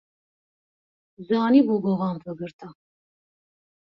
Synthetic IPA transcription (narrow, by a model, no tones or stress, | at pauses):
zaːnibuɡɔʁampʰəɡəɾt̪ʰa